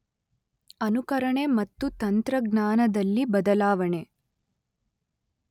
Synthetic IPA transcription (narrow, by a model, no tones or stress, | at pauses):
ɐnukɐɾɐɳe̞mɐt̪ːut̪ɐnt̪ɾɐɡnaːnɐd̪ɐlːibɐd̪ɐlaːʋɐɳe̞